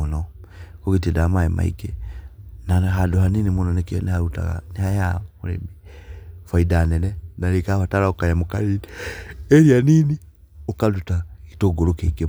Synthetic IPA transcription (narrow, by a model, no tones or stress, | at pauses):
unɔ | koɣitidamaema̰ḭke | naɦadoɦaninimunɔnekenehaɾuta̰ɣa̰nehajamoɾḛmifaidanɛnɛnaɾekaβataɾaokajamokaɾinieɾianini | okadutaki̥toɡoɾokeike